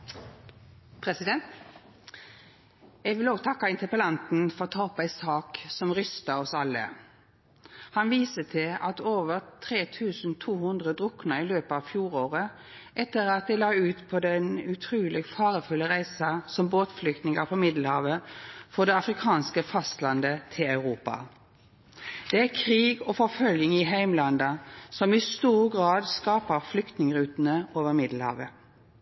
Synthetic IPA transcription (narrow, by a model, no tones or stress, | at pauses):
pʰʁɛsɪd̪ɛnt̪ | ɛɡʋɪloːɡt̪ʰɑkːɑɪnt̪əpəlɑnt̪n̩fɔʁt̪ʰɑːɔpæɪsɑːksɔmʁʏst̪ɑɔsɑlːə̰ | hɑnʋiːsət̪ʰɪlɑt̪oːʋəʁt̪ʰʁeːt̪ʰʉːsn̩t̪ʰuːhʉnd̪ʁəd̪ʁʊknɑɪløːpəɑːʋfjuːʁoːʁə | ʔɛt̪ːəʁɑt̪̚d̪ɛɪlɑːʉːt̪pʰɔd̪ɛnʉt̪ʰʁʉːlɪɡfɑːʁəfʉlːəʁæɪsɑsɔmboːt̪flʏkt̪nɪŋəpʰɔmɪd̪l̩hɑ̰ːʋəfɔʁd̪ɛɑfʁɪkʰɑːnskəfɑst̪lɑnd̪ət̪ʰɪlɑʉʁuːpɑ̰ | d̪̥ɛækʰʁiːɡɔfɔʁfœljɪŋɪɦæɪmlɑnd̪ɑsɔmɪst̪uːʁɡʁɑːd̪skɑːpəʁflʏkt̪nɪŋəʁʉːt̪ənəoːʋəʁmɪd̪l̩hɑ̰ːʋə